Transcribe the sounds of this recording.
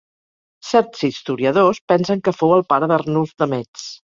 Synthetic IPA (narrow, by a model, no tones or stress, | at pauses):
sɛɾt̪zist̪uɾiəðospɛnsəŋkəfowəlˠpaɾəðərnuzd̪əmɛt͡s